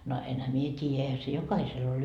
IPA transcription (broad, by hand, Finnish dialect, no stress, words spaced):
no enhæ mie tʲiːjæ eihæ se jokɑhisel ol